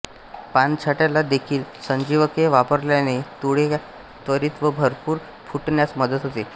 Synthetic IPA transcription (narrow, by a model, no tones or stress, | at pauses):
pant͡ɕʰaʈjalad̪ekʰiːlsəɲd͡ʑiʋəkeʋapəɾljanet̪uɽe | t̪ʋəɾiːt̪ʋəbʱəɾpuːɾ | fʰuʈnjat͡sməd̪ət̪ɦot̪e